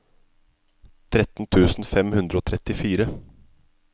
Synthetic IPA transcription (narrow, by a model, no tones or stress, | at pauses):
t̪ʰɾɛt̪n̩t̪ʰʉːsn̩fɛmhʉnd̪ɾəoːt̪ʰɾɛt̪ɪfiːɾə